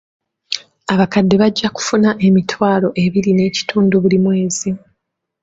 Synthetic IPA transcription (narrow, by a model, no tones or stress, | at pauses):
aβakadːe̞βaɟːaku̥funaʔe̞mitʰwaːlo̞ʔe̞βiɾine̞ːci̥tuːnduβulimwe̞ːzi